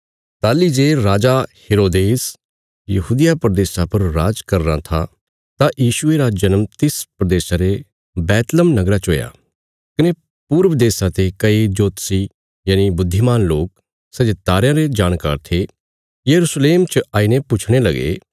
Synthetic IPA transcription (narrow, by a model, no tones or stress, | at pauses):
t̪aːlid͡ʒeːɾaːd͡ʒaheːɾoːd̪eːs | jɐɦuːd̪ɪjapɾəd̪eːʃapɐɾːaːd͡ʒkɐɾna̰t̪ʰa̰ | t̪ajiːʃʊeɾad͡ʒɐnəmt̪ɪspɾəd̪eːʃaɾe | bɛːt̪ləmnɐɡɾat͡ʃɦoːja̰ː | kɪne | puːɾʋəd̪eːsat̪ekɐid͡ʒoːt̪si | jaːnibʊd̪ʱːimaːnloːk | sɐd͡ʒet̪aːɾjãɾed͡ʒaːɽ̃ka̰ːɾt̪ʰe | jɐɾusleːmt͡ʃəaːinepʊt͡ʃʰɽ̃elɐɡḛ